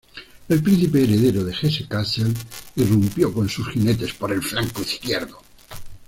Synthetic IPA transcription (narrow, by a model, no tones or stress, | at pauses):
e̞lpɾĩn̟θipeːɾeðeɾoðe̞xesekaselirumpjoko̞nsusxinet̪e̞spoɾe̞lfɾaŋkoiθkjeɾðo